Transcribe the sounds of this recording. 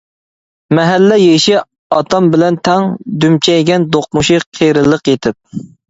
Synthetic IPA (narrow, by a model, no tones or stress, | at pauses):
mɛɦælːɛjeʃi | ɑt̪ɑmbɪlɛnt̪ʰɛŋd̪ymt͡ʃʰɛɡʲɛnd̪oq̚muʃiqʰeɾɨlˠəqjet̪ʰɪp̚